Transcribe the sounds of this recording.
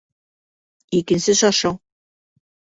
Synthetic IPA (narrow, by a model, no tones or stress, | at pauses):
ikɘ̆nsɘʃɑʃɤw